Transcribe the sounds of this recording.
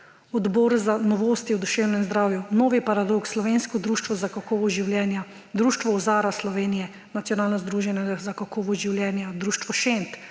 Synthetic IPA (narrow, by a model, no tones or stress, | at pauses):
ɔd̪bɔːɾzanɔʋoːst̪iwd̪uʃeːwnɛmzd̪ɾaːwjunoːʋipaɾad̪okslɔʋenskɔd̪ɾuːʃt̪ʋɔzakakoːʋɔʒiwljɛːnja | d̪ɾuːʃt̪ʋɔɔzaːɾaslɔʋeːnijɛ | nat̪sjɔnaːlnɔzd̪ɾuːʒɛnɛɡazakakoʋɔʒiwljɛːnjad̪ɾuːʃt̪ʋɔʃent̪